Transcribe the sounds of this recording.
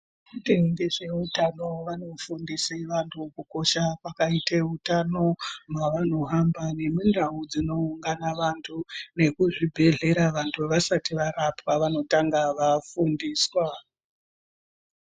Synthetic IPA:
ʐiteŋɡeʐe̞utano̞ʋano̞fundiseʋantʰukuko̞ʃakwakaiteutano̞mwaʋano̞ɦambane̞mundaud͡zino̞uŋɡanaʋantʰune̞kuʐibʱe̞ɮe̞ɾaʋantʰuʋasatiʋaɾapaʋano̞taŋɡaʋafundiːswa

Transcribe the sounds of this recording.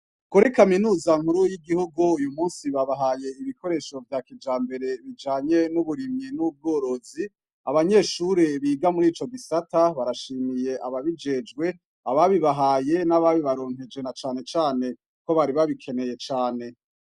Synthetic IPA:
kuɾikaminuːzaŋ̥huɾujiɡihuɡuujumuːnsiβaβaɦaje̞iβiko̞ɾe̞ːʃo̞vjaːkid͡ʒaːmbe̞ɾe̞βid͡ʒaːɲe̞nuβuɾimɲinub̚ɡoːɾo̞zi | aβaɲe̞ːʃuɾe̞βiːɡamuɾiːt͡ʃo̞ɡisataβaɾaʃiːmije̞ʔaβaβid͡ʒe̞d͡ʒɡwe̞ | aβaβiβaɦaːje̞naβaβiβaɾo̞ːn̥he̞d͡ʒe̞nat͡ʃaːne̞t͡ʃaːne̞ | ko̞βaɾiβaβikʰe̞ne̞je̞t͡ʃaːne̞

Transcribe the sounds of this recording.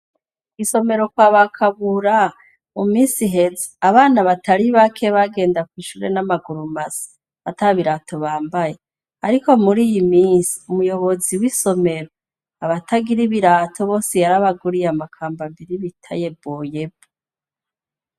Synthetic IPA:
ɡiso̞me̞ɾo̞kwaβakʰaβuɾa | mumiːsiɦe̞zeaβaːnaβataɾiβakʰe̞βaɡe̞ːndakwiːʃuɾe̞namaɡuɾumasḁ | ataβiɾatʰo̞βaːmbaje̞ | aɾiko̞muɾiːjimiːsi̥umujo̞βo̞ziwiso̞me̞ɾo | aβatʰaɡiɾiβiɾaːtʰo̞βo̞ːsejaɾaβaɡuɾijamakʰaːmbambiɾiβitʰa̰je̞boːjebo

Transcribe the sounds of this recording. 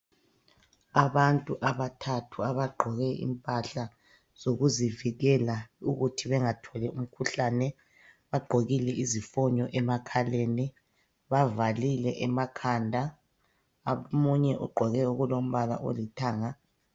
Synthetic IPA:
aβantʼuʔaβatʰatʰuaβaɡ͡ǃʱɔɣɛḭmpʼaɬa | z̥oɣuziviɣɛlauɣutʰiβɛŋatʰɔlɛum̩kʰuɬanɛ | βaɡ͡ǃʱoɣilɛʔizifɔɲɔʔɛmakʰaleːni | βavalilɛʔɛmakʰandʱa | muɲɛʔṵɡ͡ǃʱɔɣɛuɣulom̩βala̰ʔo̰litʰaːŋa

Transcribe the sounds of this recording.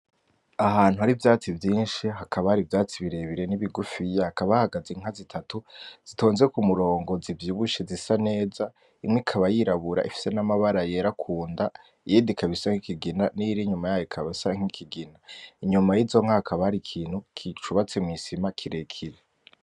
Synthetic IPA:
aɦaːn̥uhaɾivjaːt͡sivjiːnʃiɦakʰaβahaɾivjaːt͡siβiɾe̞βiɾe̞niβiɡufijehakaβahaɡazeŋ̥azitʰatuz̥itʰo̞ːnzeekumuɾo̞ːŋɡo̞zivjiːβuʃezisane̞ːza | imŋikʰaβajiɾaβuɾa̰ʔifi̥se̞namaβaɾajeɾakʰuːnda | ijidikʰaβisaŋikiɡinaniɾiɲumajaːjoikʰaβisaŋ̥ikʰiɡinaiɲumajizo̞ŋ̥ahakʰaβahaɾikʰiːn̥hukʰit͡ʃuβat͡semŋisimakʰiɾe̞kʰiɾe

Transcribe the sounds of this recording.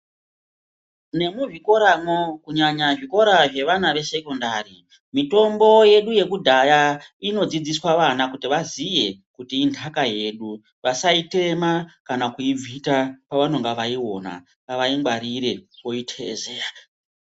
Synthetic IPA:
ne̞muʐiko̞ɾamokuɲaɲaʐiko̞ɾaʐe̞ʋanaʋe̞se̞kondari | mito̞mbo̞je̞ɗuje̞kudʱajaino̞d͡zid͡ziswaʋanakutiʋazije̞kutiːndʰʱakaje̞ːɗu | ʋasaite̞makanakuib͡vʱitapaʋano̞ŋɡaʋaiwo̞̰na̰ | ŋɡaʋaiŋɡwaɾiɾe̞wo̞itʰezea

